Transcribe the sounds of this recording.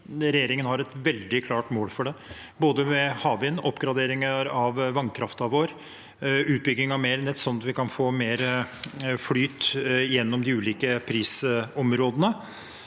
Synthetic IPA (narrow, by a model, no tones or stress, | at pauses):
ɾɛjeːɾɪŋənhɑɾɛt̪ʋɛld̪ɪkʰlɑːʈmoːlfɔɖɛ | boːd̪əmɛhɑːʋɪnːɔpːɡɾɑd̪eːɾɪŋəɾɑʋʋɑnkʰɾɑft̪ɑʋoːɾ | ʉːt̪̚bʏɡːɪŋɑʋmeːɾnɛt̪ːsɔnːɑt̪ʋɪkɑnfoːmeːɾ | flyːt̪jɛnːɔmd̪ɪʉːliːkəpʰɾiːsɔmɾoːd̪ənə